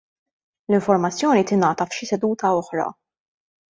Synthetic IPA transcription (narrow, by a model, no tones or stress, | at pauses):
lɪɱfɔɾmɐt͡sːjɔːnit̪ɪnɐːt̪ɐfʃɪsɛd̪uːt̪ɐɔħɾɐ̰